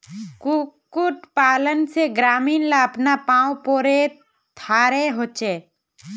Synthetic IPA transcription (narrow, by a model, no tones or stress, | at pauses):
kkʊʈpaːlənseɡɾaːmiːnlaəpnapãːũpoːɾe | t̪ʰaːɾeɦoːt͡ʃeː